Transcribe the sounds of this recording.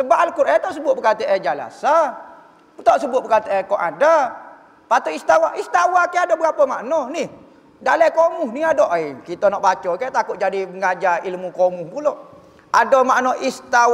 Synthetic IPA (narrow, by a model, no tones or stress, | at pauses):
səbaʔalkuɾʔɛt̪ɔʔsəbʊt̪ʔ̚bəkat̪əʔɛd͡ʒala̰sa | t̪ɔʔsəbʊt̪̚bəkat̪əʔɛkɔʔa̰da | pat̪uist̪awaʔist̪awakaadobəɡapəmaʔnɔnih | dalakomuhniadoʔikit̪onɔʔbat͡ʃɔkat̪akʊʔ̚d͡ʒadiəŋad͡ʒailmukomuhpuloʔ | adomaʔnɔʔist̪a